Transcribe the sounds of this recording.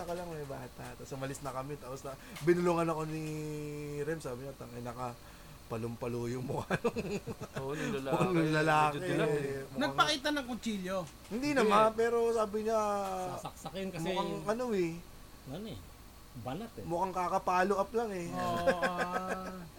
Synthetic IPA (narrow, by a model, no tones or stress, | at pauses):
ɐkɐlɐŋmɐjbaːt̪ɐt̪asɐmɐlɪsnɐkɐmɛt̪aːposnɐbɪnʊluŋɐnɐko̞nɪ | ɾɛmsaːbɪɲat̪ɐŋɐjnɐkɐ | pɐlʊmpɐluːjomʊkɐnoŋ | oːʔnʊŋlɐlaːkɛmnɐɡapɐkiːt̪̬ɐnɐŋkont͡ʃiːlo | hɪnd̪inɐmanpɛːɾo̞saːbɪɲaɐksɐkɛnkɐmʊkaŋʔɐnoɛ | ɐnɛ | bɐnɐt̪ɛmʊkaŋkaːkɐpaːloʔɐp̚lɐŋɛ